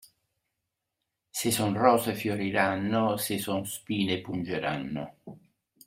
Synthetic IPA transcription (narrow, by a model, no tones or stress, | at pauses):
sesonrɔːsefjoɾiɾanːosesonspiːnepund͡ʒeɾa̰nːo̰